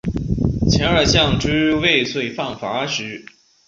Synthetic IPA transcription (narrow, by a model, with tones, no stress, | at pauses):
t͡ɕʰjɛ˧˥nə˞˨˧˩ɕjɑ˥˩ŋʈ͡ʂ̩˥˧we˥˧ɪswe˥˩ɪfɑ˥˩ŋfa˧˥ʂɻ̩˧˥